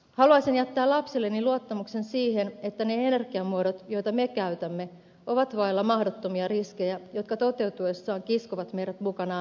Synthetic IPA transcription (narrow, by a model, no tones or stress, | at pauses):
hɑluɑsinjæt̪ːæːlɑpsilːenːiluot̪ːɑmuksensiːhenet̪ːæneene̞rɡ̥iɑmːuoɾot̪jo̞jt̪ɑmekæyt̪æmːe | ʔo̞ʋɑt̪ʋɑelːɑmɑhdot̪ːomiɑriske̞jæjot̪kɑt̪o̞t̪e̞wt̪ue̞sːɑːŋkiskoʋɑt̪mejɾæt̪mukɑnɑ